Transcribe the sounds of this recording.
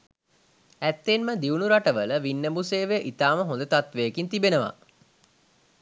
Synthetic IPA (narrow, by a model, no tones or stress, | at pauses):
æt̪ːenməd̪iunuɾaʈəʋələʋinːəbuseːʋeʔit̪aːməɦõnd̪ət̪at̪ʋeːkint̪ibenəʋa̰